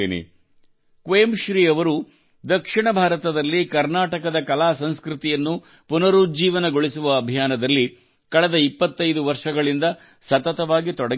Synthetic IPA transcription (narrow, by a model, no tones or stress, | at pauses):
eːnḛ | kʋeːmʃɾiːɐʋɐɾu | d̪ɐkʂiɳɐbʱaːɾɐt̪ɐd̪ɐlːikɐɾnaːʈɐkɐd̪ɐkɐlaːsɐnskɾit̪ijɐnːu | punɐɾud͡ʒiːʋɐnɐɡoɭisuʋɐːbʱijaːnɐd̪ɐlːi | kɐɭɛd̪ɐipːɐt̪ːɐjd̪uʋɐɾʂɐɡɐɭind̪ɐ | sɐt̪ɐt̪ɐʋaːɡit̪ɔɽɐ